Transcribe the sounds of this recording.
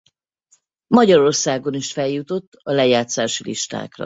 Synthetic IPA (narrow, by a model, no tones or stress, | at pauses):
mɒɟɒɾo̞rsaːɡo̞niʃfɛljut̪o̞t̪ːɒlɛjaːt̪saːʃilḭʃt̪a̰ːkrɒ̰